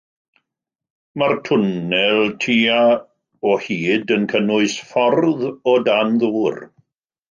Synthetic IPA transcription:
martʰʊnɛlˠtʰiːa | ɔhiːdənkʰənʊɨsfɔrðɔdanðuːr

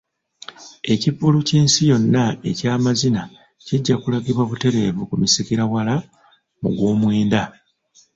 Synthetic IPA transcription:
e̞cipːuluciːnsijo̞nːae̞caːmazina | ciɟːakulaɡiβwaβute̞ɾe̞ːβukumisikiɾawala | mṵɡwoːmweːnda

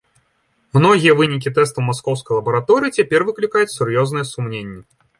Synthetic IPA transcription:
mnɔɣʲijɛvɨnʲik̬ʲit̪ɛst̪ɐwmaskɔwskɐjlˠɐbɐɾat̪ɔɾɨːt͡sʲapʲɛrvɨklʲikajut͡sʲsurjɔznɨjɛsumnʲenʲːɛ

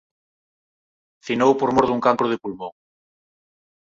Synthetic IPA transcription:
θinowpoɾmoɾðuŋkaŋkɾoðepulmõŋ

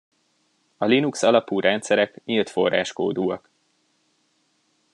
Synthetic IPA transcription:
ɒlinuksɒlɒpuːɾʔɛnt̪sɛɾɛkɲilt̪fo̞̰rːa̰ːʃkoːd̪uːɒk

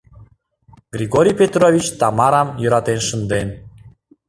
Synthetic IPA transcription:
ɡ̥ɾʲiɣoɾʲijpʲet̪rovʲit͡ɕt̪ɑmɑɾɑmjəɾɑt̪enʃə̆nd̪en

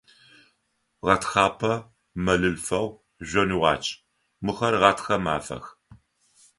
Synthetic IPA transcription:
ʁɐtxɑːpʰɐ | mɐɮɨlfɐw | ʒʷɔniʁɑ̰ːt͡ʃʼ | mɨxɐrʁɑtʰxɐma̰ːfɐ̰x

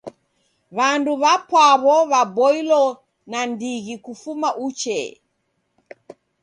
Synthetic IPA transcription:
βanduβapwaβɔβabɔilɔ | nandiɣikufumaʔut͡ʃɛ̰

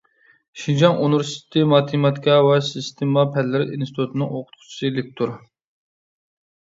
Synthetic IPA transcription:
ʃind͡ʒɑŋonuɾsi̥t̪ʰɪmɑt̪ʰimɑt̪ikʰɑwɛsist̪ʰemɑpʰɛllːɪɾɪʔinsit̪ʰut̪ʰɨnɨŋoqʰʊt̪̚qʰʊ̥t͡ʃʰi̥sɨlɪk̚ʲt̪ʰuɾ

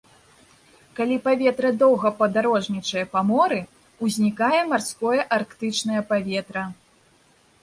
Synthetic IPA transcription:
kalʲipavʲɛt̪ɾɐd̪ɔwɣɐpɐd̪aɾɔʐnʲit͡ʂɐjɐpamɔɾɨ | uzʲnʲikajɛmarskɔjɐʔarkt̪ɨt͡ʂnɐjɐpavʲɛt̪ɾɐ

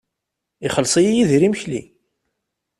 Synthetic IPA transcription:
iχəlsˤijijiðɾiməçlḭ

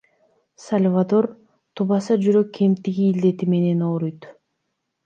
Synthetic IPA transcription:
salʲvad̪o̞ɾ | t̪ʰuβɑsɑd͡ʒyɾø̞kːʰe̞mt̪iɡiːld̪e̞t̪ime̞ne̞noːɾujt̪

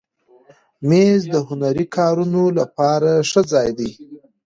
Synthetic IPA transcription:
mezd̪əhʊnaɾikʰɑɾunolapɑɾaʂəd͡zɑjd̪e

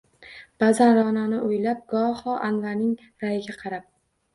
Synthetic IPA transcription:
b̥azanɾɒnanɪʔʊjlap̚ɡɒhɒʔanvaɾnɪŋ | ɾajɪɡʲaqʰɑɾap̚

